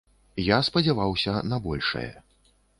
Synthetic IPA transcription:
jaspɐd͡zʲavawsʲɐnɐbɔlʲʂɐ̰jɛ̰

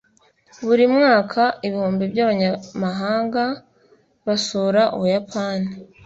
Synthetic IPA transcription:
βuɾimŋaːkʰaiβihuːmbibjaːβaɲamaɦaːŋɡa | βasuɾaʔṵβujapʰaːni

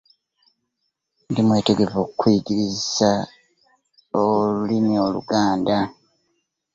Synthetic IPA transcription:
ndimwe̞ːte̞ɡe̞vo̞kukwiiɟiɾizisa | olulimio̞lṵɡaːnda

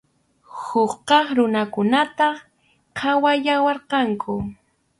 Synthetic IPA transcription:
hʊχqɑχɾʊnakʊnat̪ɑ | qʰɑwajawɑɾqɑŋkʰʊ

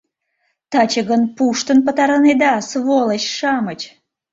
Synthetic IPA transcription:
t̪ɑt͡ɕəɣənpuʃt̪ənpə̆t̪ɑɾəned̪ɑsβolˠəɕʃɑmət͡ɕ

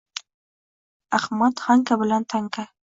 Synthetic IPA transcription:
axmat̪xaŋkabʊlant̪ʰaŋka

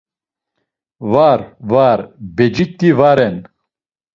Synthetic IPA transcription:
vaɾvaɾbɛd͡ʒit̪ːivaɾɛn

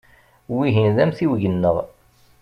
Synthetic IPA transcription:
wiɦinðæmθiwʝənːəðˤ

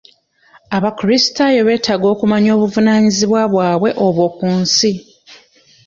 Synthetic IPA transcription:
aβakɾisi̥tajoβe̞ːtaɡo̞ːkumaɲo̞ːβuvunaːɲiziβwaβwaːβwe̞ʔoβwo̞kuːnsi

